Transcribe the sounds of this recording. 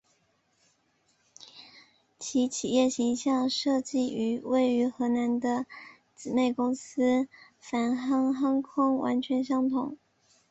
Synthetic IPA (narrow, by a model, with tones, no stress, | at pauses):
t͡ɕʰi˧˥t͡ɕʰi˨˩jɛ˥˩ɕi˧˥ŋɕjɑ˥˧ŋʂɤ˥˧t͡ɕi˥˩y˧˥we˥˩ɪy˧˥xɤ˧˥na˧˥nd̪ə˧ | t͡s̩˨˩ne˥˩ɪkʊ˥ŋsɹ̩˥ | fa˧˥nxɑ˥ŋxa˥ŋkʰʊ˥ŋwʔa̰˧˥nt͡ɕʰɥɛ˧˥nɕjɑ˥ŋt̪ʰʊ˨˩˦ŋ